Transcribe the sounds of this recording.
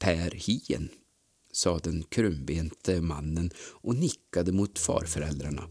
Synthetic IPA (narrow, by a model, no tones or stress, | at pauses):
pʰæɾhiːə̰n | sɑːd̪ɛnkʰɾɵmbeːnt̪ʰəmanːənʔɔnɪkːad̪əmʊt̪fɑ̰ːɾfœɾɛ̰ld̪ɾaɳa̰